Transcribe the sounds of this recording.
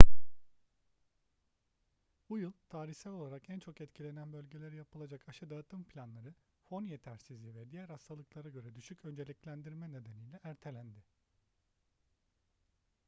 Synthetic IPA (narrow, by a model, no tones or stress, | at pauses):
bujɯlˠt̪ʰaːɾiçsælʲo̞lˠaɾakænt͡ʃʰo̞kɛt̪cʰilʲe̞nænbø̞lʲɟe̞lʲe̞ɾijapɯlˠad͡ʒakaʃɯd̪at̪ʰɯmpʰlʲanlˠaɾɯ | fo̞njet̪ʰæɾsizlʲivɛd̪ijæɾhast̪ʰalˠɯklˠaɾaɟø̞ɾɛd̪yʃycø̞nd͡ʒe̞lʲiclʲænd̪iɾmɛne̞d̪enijlʲɛæɾt̪ʰe̞lʲænd̪ɪ